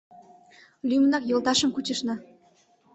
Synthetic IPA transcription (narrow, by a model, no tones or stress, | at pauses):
lʲymnɑkjolˠt̪ɑʃəmkut͡ɕəʃnɑ